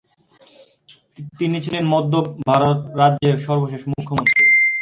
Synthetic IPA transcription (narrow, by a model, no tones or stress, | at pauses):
t̪init͡ɕʰilenmɔd̪ʱːobʱaɾot̪ɾadːd͡ʑeɾʃɔɾboʃeʃmukʰːomont̪ɾi